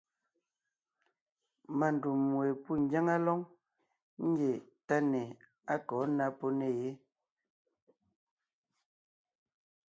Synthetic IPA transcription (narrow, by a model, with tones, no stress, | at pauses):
ma˨n˨du˨mːwe˨pu˦˨ŋ˨˦ɡja˦ŋa˦lɔ˦ŋ | ŋ̩˦ɡe˨ta˦ne˨ | a˦kɔ˨˦na˦pɔ˦ne˨je˦